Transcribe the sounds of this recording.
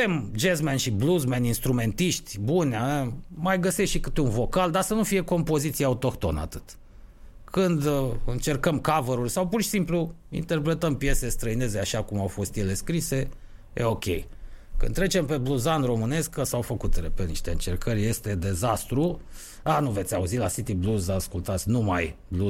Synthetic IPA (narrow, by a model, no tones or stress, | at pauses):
emd͡ʒezmenʃibluzmeninst̪ɾume̞nt̪iʃt̪ʲbunʲaemajɡəsesʃikɨt̪unvo̞kald̪asənufije̞ko̞mpo̞zit̪siaut̪o̞kt̪o̞̰nəa̰t̪ɨt̪ | kɨnd̪ɨnt͡ʃe̞rkəmkavəɾurʲsawpurʃi̥simplu | ḭnt̪e̞rpɾe̞t̪əmpije̞sest̪ɾəine̞zeaʃakumawfo̞st̪jele̞skɾise̞ | jḛo̞kʲḛjkɨ̰nt̪ːɾet͡ʃempe̞bluzanro̞mɨne̞skkəsawfəkut̪ɾepeniʃt̪e̞ɨnt͡ʃe̞rkʰərʲje̞st̪e̞d̪e̞zast̪ɾu | anuve̞t̪sʲauzilasit̪ibluzaaskult̪at̪sʲnuma̰jblu